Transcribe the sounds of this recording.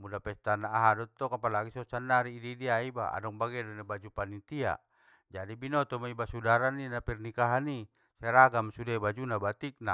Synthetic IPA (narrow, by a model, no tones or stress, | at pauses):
mudapɛst̪anaːɦadɔt̪ːɔkapalaɡisɔsandaɾiːdidiaiba̰a̰dɔŋbaɡɛdɔnabad͡ʒupanint̪ia̰ | d͡ʒadibinɔt̪ɔmaibasudaɾaninapɛrnikaɦani | sɛɾaɡamsudebad͡ʒunabat̪ik̚na